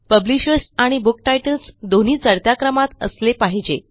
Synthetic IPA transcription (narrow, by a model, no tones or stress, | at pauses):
pəbliɕəɾsaɽ̃ibuk̚ʈajʈəlsd̪on̤iːt͡səɽt̪jakɾəmat̪ə̰slepaɦid͡ʑe